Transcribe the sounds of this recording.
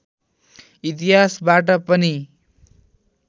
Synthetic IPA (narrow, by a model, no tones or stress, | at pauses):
it̪iɦasbaʈ̬ʌpʌni